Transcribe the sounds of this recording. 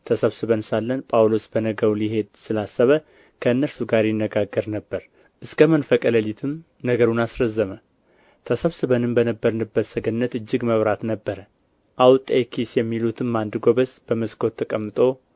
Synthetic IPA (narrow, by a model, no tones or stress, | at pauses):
t̪ʰəsəβsɨβənsalːənpʼawlo̞sbənəɡəwliɦe̞d̪sɨlasːəβə | kʰəɨnːəɾsuɡaɾjɪnːəɡaɡːəɾnəbːəɾ | ʔɨskʰəmənfəkʼələlit̪ʰɨm | nəɡəɾunasɾəzːəmə | t̪ʰəsəβsɨβənɨmbənəbːəɾnɨbːəsəɡənːət̪ɨd͡ʒːɪɡməβɾat̪nəbːəɾə | ʔawt̪ʼekʰisjɛmːilut̪ʰɨmːand̪ɨɡo̞βəsb̥əməskʰo̞t̪ʰːəkʼəmːɨt̪ʼo̞